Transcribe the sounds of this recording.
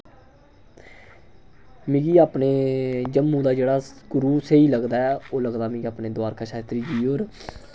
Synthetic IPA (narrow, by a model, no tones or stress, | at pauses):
mĩɡiːaːpɳeːd͡ʒəmːũːd̪aːd͡ʒeːɽaːɡʊɾuːseiːləɡd̪aːɛːoːləɡd̪aːmĩːɡiaːpneːd̪ʊaːɾkaːʃaːt̪ɾiːd͡ʒiːoːɾ